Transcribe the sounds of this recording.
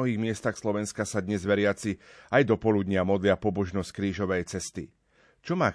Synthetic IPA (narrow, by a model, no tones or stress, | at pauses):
ɔɦiːɣmɪɛst̪axslɔʋɛnskasad̪ɲɛzʋɛɾɪat͡siajd̪ɔpɔlud̪ɲɪamɔd̪lɪapɔbɔʒnɔsc̚kɾiːʒɔʋɛjt͡sɛst̪i | t͡ʃɔmaː